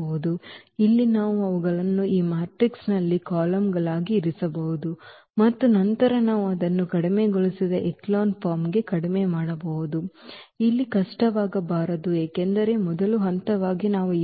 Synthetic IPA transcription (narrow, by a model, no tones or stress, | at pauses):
ɐɦud̪uilːinaːʋuɐʋuɡɐɭɐnːuiːmaːɾʈɾiksnɐlːikaːlɐmɡɐɭaːɡiːɾisɐbɐɦud̪u | mɐt̪ːunɐnt̪ɐɾɐnaːʋuɐd̪ɐnːukɐɽimeɡɔɭisid̪ɐʔeklaːnpʰaːɾmɡe̞kɐɽimemaːɽɐbɐʋud̪uilːikɐʂʈɐʋaːɡɐbaːɾɐd̪ueːkend̪ɐɾe̞mɔd̪ɐluɦɐnt̪ɐʋaːɡinaːʋu